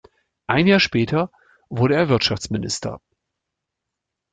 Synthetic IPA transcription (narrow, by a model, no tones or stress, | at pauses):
ʔaɪnjaːɐʃpɛːtʰɐ | vʊɐɾəeːɐvɪɐtʃaft͡smɪnɪ̰stʰɐ̰